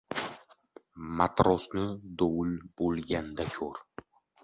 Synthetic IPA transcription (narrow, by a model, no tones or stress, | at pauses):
mat̪ɾɒsnɪd̪owɪlbolˠɡʲand̪akʲʰɵɾ